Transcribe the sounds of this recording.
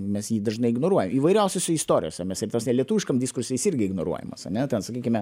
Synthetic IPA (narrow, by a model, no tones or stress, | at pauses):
mʲɛsjiːd̪ɐʒnɐɪɪɡnoːɾuɔjɛmiːʋɐɪɾʲɛʊsʲosʲʊist̪oːɾʲɪ̰joːsʲɛmʲɛsɪrt̪ʲoːsnʲɛlʲiɛt̪uːʋɪʃkɐmdʲɪskʊɾsʲɪjɪsɪɾʲɡʲɪɪɡnoɾṵɔjɛ̰mɐsɐ̰nʲɛt̪ʲɛnsɐkʲiːkʲɪmʲɛ